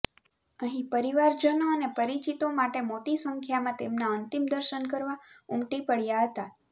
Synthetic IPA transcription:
əɦĩpəɾiʋaɾd͡ʒənoənepəɾit͡ʃit̪omaʈemoʈisə̃ŋkʰjamãt̪emnãənt̪imd̪əɾʃənkəɾʋaumʈipəɭjaɦət̪a

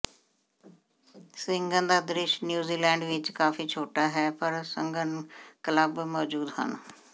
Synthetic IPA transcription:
sɪŋɡə̃nd̪aːd̪ɾɪʃnjuːziːlɛ̃ːɳɖʋɪt͡ʃkaːfiːt͡ʃʰoːʈaːɦɛːpəɾsə̰ŋɡənkələbmɔːd͡ʒuːd̪hə̰n

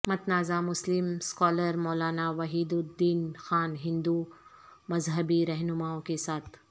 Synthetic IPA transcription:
mɐt̪naːzamʊslɪmskɔːləɾmɔːlaːnaʋɐɦiːd̪ʊd̪ːiːnxaːnɦɪ̃nd̪u | mɐzɦəbiɾɐɦnʊmaːõkesaːt̪ʰ

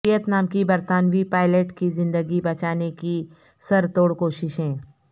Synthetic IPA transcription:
ijət̪naːmkibɐɾt̪aːnʋipaːɪleːʈkizɪ̃nd̪əɡibɐt͡ʃaːneki | sɐɾt̪oːɽkoːʃɪʃɦɛ̃ː

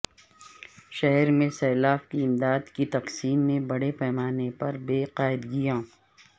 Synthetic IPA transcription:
ʃɛɦɛɾmẽsɛːlaːfkiɪmd̪aːd̪kit̪ɐqsiːmːẽbɐɽepɛːmaːnepɐɾbeːqaːɪd̪ɡijãː

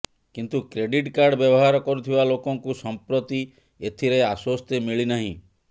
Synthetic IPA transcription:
kint̪ukɾeɖiʈkaɾɖbjɔbɔɦaɾɔkɔɾut̪ʰibalokɔŋkusɔmpɾot̪i | et̪ʰiɾeaswɔst̪jemiɭinaɦḭ̃

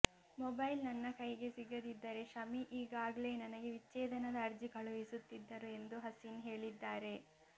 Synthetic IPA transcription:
mɔbɐjlnɐnːɐkɐjɡe̞siɡɐd̪id̪ːɐɾe̞ʃɐmiʔiːɡaːɡɐle̞ːnɐnɐɡe̞ʋit͡ʃːɛːd̪ɐnɐd̪ɐːɾd͡ʒikʰɐɭuʋisut̪ːid̪ːɐɾue̞nd̪uɦɐsinɦe̞ːɭid̪ːaːɾe̞

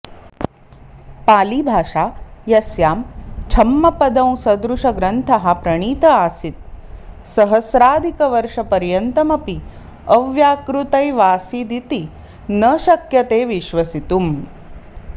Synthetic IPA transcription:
paːlibʱaːʃaːjɐsjaːmt͡ʃʰɐmːɐpɐd̪ɐ̃w̃sɐd̪ɾuʂɐɡɾɐnt̪ʰɐɦɐpɾɐɳ̃iːt̪ɐaːsit̪̚sɐɦɐsɾaːd̪ʱikɐʋɐɾʂɐpɐɾjɐnt̪ɐmɐpi | ɐʋjaːkɾut̪ɐjʋaːsid̪it̪i | nɐʃɐkjɐt̪eːʋiʃʋɐsit̪um

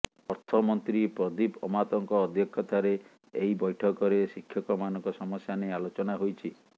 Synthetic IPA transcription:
ɔɾt̪ʰɔmɔnt̪ɾipɾɔd̪ipɔmat̪ɔŋkɔːd̪ʱjɔkʰːɔt̪aɾe | eibɔjʈʰɔkɔɾesikʰːjɔkɔmanɔŋkɔsɔmɔsjanealot͡ʃɔnaɦojt͡ʃʰi

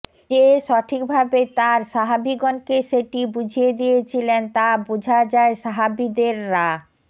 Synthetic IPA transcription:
eʃɔʈʰikbʱabet̪aɾʃaɦabiɡɔnkeʃeʈibud͡ʑʱijed̪ijet͡ɕʰilent̪abud͡ʑʱad͡ʑaeʃaɦabid̪eɾːa

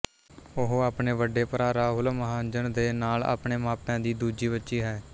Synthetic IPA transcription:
ʊɦaːpɳeːʋəɖːeːpəɾaːɾaːɦʊlməɦãːnd͡ʒəɳd̪eːnaːla̰ːpɳeːmaːpãːd̪iːd̪uːd͡ʒiːbətːʃiːɦɛː

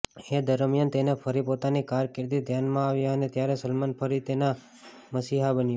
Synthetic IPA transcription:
ed̪əɾmjant̪enefʰəɾipot̪anikaɾkɪɾd̪id̪ʱjanmãaʋjaənet̪jaɾesəlmanpʰəɾit̪ena | məsiɦabənjo

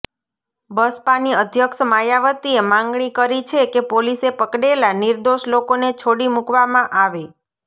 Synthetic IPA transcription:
bəspaniəd̪ʱjəkʃəmajaʋət̪iemãŋɡɳ̃ikəɾit͡ʃʰekepolisepəkɽelaniɾd̪oʃlokonet͡ʃʰoɽimukʋamãʔaʋe

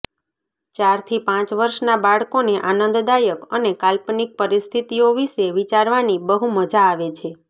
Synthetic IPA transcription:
t͡ʃaɾt̪ʰipãt͡ʃʋəɾʃnabaɭkoneʔanənd̪d̪ajəkənekalpnik̚pəɾist̪ʰit̪ioʋiʃeʋit͡ʃaɾʋanibəɦuməd͡ʒaːʋet͡ʃʰe

